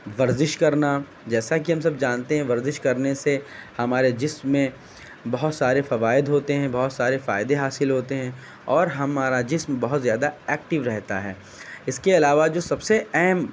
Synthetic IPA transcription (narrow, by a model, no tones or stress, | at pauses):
ʋɐɾzɪʃkɐɾna | d͡ʒɛːsak̬iɦɐmsɐbd͡ʒaːnt̪eɦɛ̃ʋɐɾzɪʃkɐɾnesehɐmaːɾed͡ʒɪsmːẽ | bɐɦʊt̪saːɾefɐʋaːɪd̪ɦoːt̪eɦɛ̃bɐɦʊt̪saːɾefa̰ːjd̪ẽɦaːsɪlɦoːt̪eɦɛ̃ | ɔːɾɦɐmaːɾad͡ʒɪsmbɐɦʊt̪zjaːd̪aɛːk̚ʈɪʋɾɛɦt̪a̰ɦɛː | ɪskeɐlaːʋad͡ʒoːsɐbseɛɦm